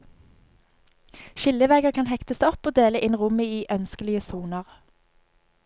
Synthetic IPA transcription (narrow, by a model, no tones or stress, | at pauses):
ʃɪləʋæɡəʁkʰɑnhɛkt̪əsɔpoːd̪eːləʔɪnʁʊməiːʔœnskəlɪəsuːnəʁ